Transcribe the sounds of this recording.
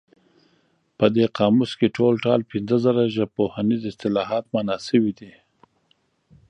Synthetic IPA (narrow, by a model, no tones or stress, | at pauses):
pəd̪eqɑmuskeʈʰolʈɑlpɪnzəzəɾaʒapohanizɪst̪ɪlɑɦɑt̪manɑsəwid̪i